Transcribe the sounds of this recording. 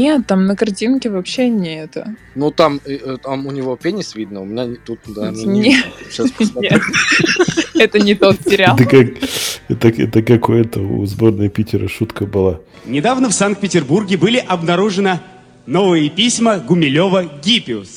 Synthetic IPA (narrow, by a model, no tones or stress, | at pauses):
nʲet̪ːamnəkɐrtʲinkʲɪvɐpɕenʲɪɛt̪ə | nut̪amt̪amʊnʲɪvopʲenʲɪsvʲid̪̚nəʊmʲɪnʲat̪ut̪̚d̪anʲet̪ːasʲet̪ | ɛt̪ənʲɪt̪o̞t̪sʲɪɾʲald̪əkak̚ɛt̪əkɛt̪əkakʊɛt̪əʊ̰zbornəəpʲitʲɪɾə̰ʂut̪kəbɨlˠa | nʲɪd̪avnəfsank̚pʲɪtʲɪrburɡʲɪbɨlʲɪʔɐbnɐɾuʐɨnə | novɨjɪpʲisʲməɡʊmʲɪlʲovəɡʲipʲɪʊs